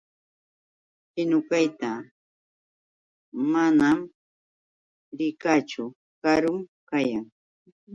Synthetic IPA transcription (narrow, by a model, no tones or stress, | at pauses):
hɪnʊkajt̪a | manam | ɾɪkat͡ʃʊ | kaɾʊmkajaŋ